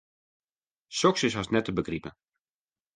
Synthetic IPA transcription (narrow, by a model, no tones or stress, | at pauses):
sɔksɪsɦasnɛtəbəɡripə̰